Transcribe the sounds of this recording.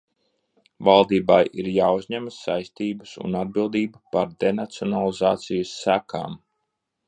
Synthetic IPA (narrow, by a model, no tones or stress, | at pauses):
valˠd̪iːbajḭɾjaːuzʲɲæməsajst̪iːbəsṵnad̪̚bilˠd̪iːbupaɾd̪enat̪siɔnalˠizaːt̪sijəsːækʰa̰ːm